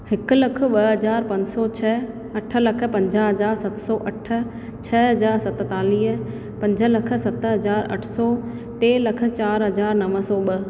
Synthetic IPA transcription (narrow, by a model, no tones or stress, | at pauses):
hɪkʊ̆lɐkʰə̆ɓɐɦɐzaːɾpɐ̃ɲd͡ʑsɔt͡ɕʰɐ | ɐʈʰə̆lɐkʰə̆pɐ̃ɲd͡ʑəɦɐzaːɾsɐt̪sɔːʔɐʈʰə̆ | t͡ɕʰɐɦɐzaːɾsɐt̪t̪aːliːɦ̆ | pɐ̃ɲd͡ʑʱə̆lɐkʰə̆sɐt̪əɦɐzaːɾɐ̰ʈʰsɔ | ʈeːlɐkʰə̆t͡ɕaːɾɦɐzaːɾnɐʋəsɔːɓɐ